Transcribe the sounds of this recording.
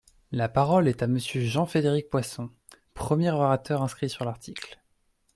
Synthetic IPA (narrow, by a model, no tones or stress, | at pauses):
lapaʁɔlɛt̪aməsjøʒɑ̃fed̪eʁik̚pwasɔ̃ | pχəmjɛʁɔʁat̪œʁɛ̃skχisyʁlaʁt̪ʰikl